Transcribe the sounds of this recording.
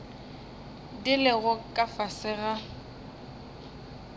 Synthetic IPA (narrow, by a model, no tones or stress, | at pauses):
dɪlɪɣʊkʼafasɪɣa